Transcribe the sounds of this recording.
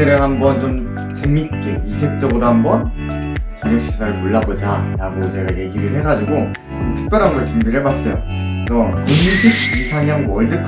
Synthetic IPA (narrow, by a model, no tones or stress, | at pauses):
eɾɯɦhambʌnt͡ɕom | t͡ɕeŋik͈eisʰek̚t͡ɕ͈ʌɡɯɾoɦambʌn | t͡ɕenʌɕʰi̥sʰaɾɯɭmoɭːabod͡ʑaɾaɡot͡ɕe̞ɡaje̞ɡiɾɯɭhe̞ɡad͡ʑiɡo | ɯtʰɯ̥k̚p͈jʌɾɦamɡʌɭt͡ɕɯmbeɾebas͈ʌjo̰ | esʰʌunɕʰiɡ̚isʰaɲʌŋwʌɭdɯkʰ